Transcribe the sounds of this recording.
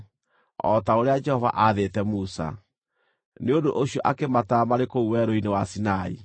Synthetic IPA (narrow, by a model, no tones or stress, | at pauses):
ɔ̰taoɾead͡ʒɛhɔva̰ʔaːðetɛmusa̰ | neondoʔoɕiɔʔakematamaɾekouwɛɾoinewasinaḭ